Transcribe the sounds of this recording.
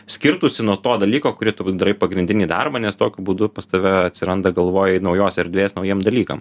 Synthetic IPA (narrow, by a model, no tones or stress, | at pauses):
sʲkʲɪɾt̪usʲɪnuɔt̪oːd̪ɐlʲiːkoːkʊɾʲiːt̪ʊd̪ɾɐɪpɐɡɾʲɪnʲdʲɪnʲiːd̪ɑ̰rbɐnʲɛst̪oːkʲʊbuːd̪ʊpɐst̪ɐʋʲɛɐt̪ʲsʲɪɾɐnd̪ɐɡɐlˠʋoːjɛnɐʊjoːsɪɾd̪ʲʋʲeːsnɐʊjiɛmd̪ɐlʲiːkɐm